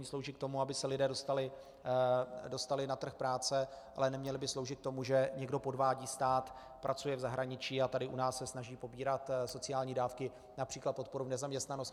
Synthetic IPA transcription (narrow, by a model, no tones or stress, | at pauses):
ɲiːslowʒiːk̚t̪o̞muabɪsɛlɪdɛːdo̞st̪alɪ | do̞st̪alɪnat̪r̩xpɾaːt͡sɛʔa̰lɛnɛmɲɛlɪbɪslo̞wʒɪt̪̚k̚t̪o̞muʒɛɲɛɡdo̞po̞dvaːɟiːst̪aːt̪ | pɾʔat͡sujɛvzaɦɾaɲɪt͡ʃiːat̪adɪʔunaːsːɛsnaʒiːpo̞biːɾat̪so̞t͡sɪaːlɲiːdaːfkɪ | napr̥iːklat̪̚po̞t̪̚po̞ɾuvnɛzamɲɛst̪nanost